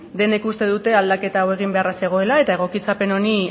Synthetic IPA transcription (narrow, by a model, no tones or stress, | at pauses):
d̪e̞nekust̪e̞ðut̪e̞ald̪ake̞t̪aːwe̞ɣ̞imbe̞arase̞ɣ̞o̞e̞lae̞t̪aeɣ̞o̞kit͡sape̞no̞ni